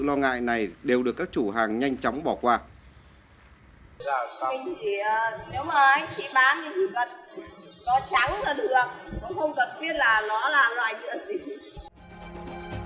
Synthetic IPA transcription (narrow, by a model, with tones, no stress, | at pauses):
lɔ˧ŋa̰ː˧˨jna˨˩jɗe˨˩wɗɨ˨˩əkːaː˦˥k̚t͡ɕu˧˩ɦaː˨˩ŋɲa˧jŋ̟t͡ɕɔ˨˦wŋ͡mɓɔ˧˩kwaː˧ | mi˨˩ŋ̟t̪ʰi˧˩˨ne˨˦wmaː˨˩ʔa˨˧˦jt͡ɕḭ˧˥ɓaː˨˦nɨ˧˩t̪ʰi˨˩kə˨˩t̚nɔ˨˦t͡ɕa˨˦ŋlaː˨˩ɗɨ˨˩ək̚kʊ̰˧˥ŋ͡mxə˧wŋ͡mkə˨˩nɓi˦˥ət̚laː˨˩lɔ˧˥laː˨˩lwaː˨˩jzɨ̰˧˥əzi˨˩